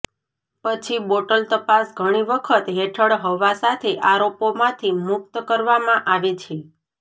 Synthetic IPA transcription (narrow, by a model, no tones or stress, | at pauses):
pət͡ʃʰiboʈəlt̪əpasɡʱəɽ̃iʋəkʰət̪ɦeʈʰəɽɦəʋasat̪ʰeʔaɾopomãt̪ʰimʊk̚t̪kəɾʋamãʔaʋet͡ʃʰe